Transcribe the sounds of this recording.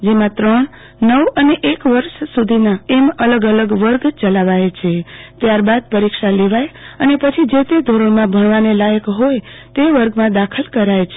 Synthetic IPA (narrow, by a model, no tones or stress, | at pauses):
d͡ʒemãt̪ɾəɳ | nəwəneʔekʋəɾʃsud̪ʱinaemələɡələɡʋəɾɡt͡ʃəlaʋajt͡ʃʰet̪jaɾbad̪̚pəɾikʃaleʋajənepət͡ʃʰid͡ʒet̪ed̪ʱoɾəɳmãbʱəɳ̃ʋanelajəkɦoj | t̪eʋəɾɡmãd̪akʰəlkəɾajt͡ʃʰe